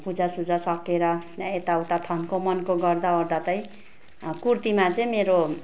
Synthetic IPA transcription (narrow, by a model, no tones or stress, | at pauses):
pud͡zasud͡zasʌkeɾʌet̪awt̪at̪ʰʌnkomʌnkoɡʌrd̪aord̪at̪ʌĩ | kurt̪imat͡sʌĩmeɾo